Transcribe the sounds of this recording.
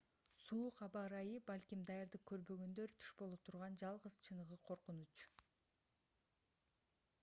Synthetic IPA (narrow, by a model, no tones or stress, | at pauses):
suːqɑbɑɾɑjɯbɑlʲkʲimd̪ɑjɑɾd̪ɯq̚kʰʲːø̞ɾbø̞ɡø̞nd̪ø̞ɾt̪ʰy̥ʃbolˠut̪ʰuɾʁɑnd͡ʒɑlˠʁəz̥t͡ʃʰɯnɯʁɯqʰo̞ɾqunut͡ʃ